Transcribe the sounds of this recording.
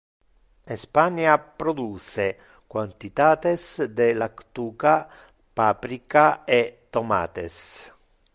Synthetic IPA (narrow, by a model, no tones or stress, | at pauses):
espanjapɾod̪use | kwant̪it̪aːt̪esd̪elakt̪uːka | paːpɾikaet̪ːoma̰ːt̪ḛs